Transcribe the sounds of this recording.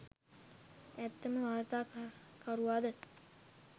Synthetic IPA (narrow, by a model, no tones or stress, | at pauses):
æt̪ːəməʋaːɾt̪aːkaɾuʋaːd̪ə